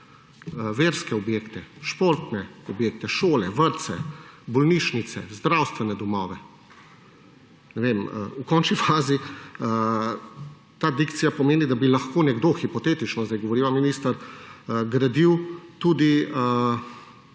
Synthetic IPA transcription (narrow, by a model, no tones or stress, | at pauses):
ʋeːɾskɛɔbjeːkt̪ɛʃpoːɾt̪nɛɔbjeːk̚t̪ɛʃoːlɛʋəɾt̪sɛbɔlniːʃnit̪sɛzd̪ɾawst̪ʋɛnɛd̪ɔmɔːʋɛ | nɛʋeməukɔnt͡ʃnifaːziə | t̪aːd̪ikt̪sijapɔmeːnid̪abilaxkoːnɛɡd̪oːxipɔt̪eːt̪it͡ʃnɔzajɡɔʋɔɾiːʋaminist̪əɾ | ɡɾad̪iwt̪uːd̪iə